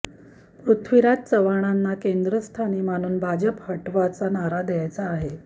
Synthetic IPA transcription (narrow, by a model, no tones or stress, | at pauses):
pɾut̪ʰʋiɾat̪̚t͡səʋaɽ̃anːakend̪ɾəst̪ʰaniːmaɽ̃uːnbʱad͡ʑəphəʈʋat͡sanaɾad̪jajt͡saːɦe